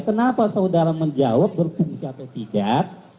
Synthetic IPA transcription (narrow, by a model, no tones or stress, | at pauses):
kənapasaudaɾaməɲd͡ʒawap̚bərpuŋsiat̪awt̪idaʔ̚